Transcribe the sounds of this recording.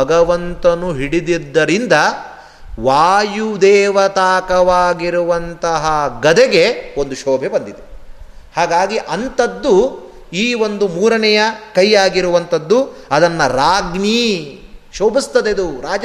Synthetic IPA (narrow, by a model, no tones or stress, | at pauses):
ɐɡɐʋɐnt̪ɐnuɦiɽid̪id̪ːɐɾind̪ɐ | ʋaːjud̪ɛːʋɐt̪aːkɐʋaːɡiɾuʋɐnt̪ɐɦɐɡɐd̪eɡeo̞nd̪uʃoːbʱebɐnd̪id̪e | haːɡaːɡiʔɐnt̪ɐd̪ːu | iːo̞nd̪umuːɾɐnɛjɐkɐjːaːɡiɾuʋɐnt̪ɐd̪ːuɐd̪ɐnːɐɾaːɡɳi | ʃoːbʱist̪ɐd̪ed̪uɾaːd͡ʒɐ